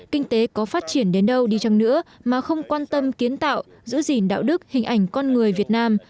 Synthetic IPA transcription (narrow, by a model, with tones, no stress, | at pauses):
kï˧ŋ̟t̪e˨˦kɔ˨˦faː˦˥t̚t͡ɕi˧˩ənɗe˨˦nɗə˧wɗi˧t͡ɕa˨˩ŋnɨ̰˧˥əmaː˨˩xə˧wŋ͡mkwaː˧nt̪ə˧mki˨˦ənt̪a̰ː˧˨w | zɨ̰˧˥zi˧˩nɗa̰ː˧˨wɗɨ˦˥k̚hï˨˩ŋ̟ʔa˨˧˩jŋ̟kɔ˧nŋɨ˨˩əjvi˨˩ət̚naː˧m